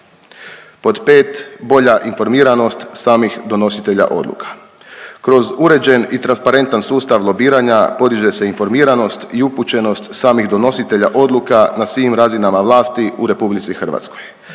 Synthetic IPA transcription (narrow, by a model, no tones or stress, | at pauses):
po̞d̪peːt̪bo̞ʎaʔinfo̞ɾmiːɾano̞st̪saːmixd̪o̞no̞sit̪e̞ʎa̰ʔo̞̰d̪lˠṵkʰḁ | kɾo̞zuɾe̞d͡ʑe̞nit̪ɾanspaɾe̞nt̪ansuːst̪aʋlˠo̞biːɾaɲapo̞d̪iʒe̞se̞info̞ɾmiːɾano̞st̪iuput͡ɕe̞no̞st̪saːmiɣd̪o̞no̞sit̪e̞ʎaʔo̞d̪lˠukanasʋiːmɾazinamaʋlˠaːst̪iuɾe̞publit̪sixr̩ʋa̰t̪sko̞̥j